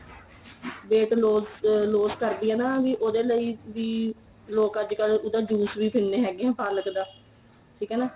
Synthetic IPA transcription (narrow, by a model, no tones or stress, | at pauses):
ʋeːʈloːzloːzkəɾd̪iːɛːnãːʋiːʔoːd̪eːləiːʋiː | loːkəd͡ʒkəlʊd̪ãːd͡ʒuːsʋiːpʰɪnːeːɦɛːɡeɛ̃ːpaːləkd̪aː | ʈʰiːkɦɛːnaː